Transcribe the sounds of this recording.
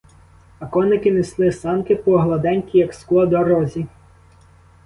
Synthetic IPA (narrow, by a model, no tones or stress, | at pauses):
ɐkɔnɪkɪnɪslˠɪsɑnkɪpɔːɦlˠɐd̪ɛnʲkʲijɐksklˠɔd̪ɔɾɔzʲi